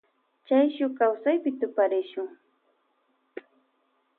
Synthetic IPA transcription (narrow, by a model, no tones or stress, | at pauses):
t͡ʃajʃʊkawsajpɪt̪ʊpaɾɪʃʊŋ